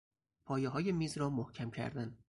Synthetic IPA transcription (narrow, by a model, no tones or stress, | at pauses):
pʰɒːjeɦɒːje̞miːzɾɒːmohcʰæmcʰæ̰ɾd̪æn